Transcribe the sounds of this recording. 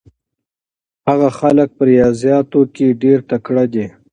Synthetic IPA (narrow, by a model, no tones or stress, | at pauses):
haɣaxalək̚pəɾijɑːzjɑːt̪okeɖeɾt̪akɽad̪e